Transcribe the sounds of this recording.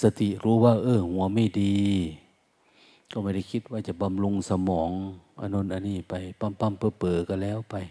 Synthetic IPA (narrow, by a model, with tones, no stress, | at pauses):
sa˧t̪i˨˩˨ɾuː˨˦waː˧ʔɤː˧˩hu˨˦ɐma˧˩˨jdiː˧ | ka˧˩ma˧˩˨da˧˩jkʰi˧˥t̪̚waː˧˩t͡ɕa˨˧˩ba˧mlu˧ŋsa˧mɔː˨˩˦ŋʔa̰˧no˧˥˨nʔa˧niː˧˩pa˨˩jpa˧˩˨mpa˧˥˨mpɤː˧˩pːɤː˨˩ka˧˩lɛː˧˥˨wpa˨j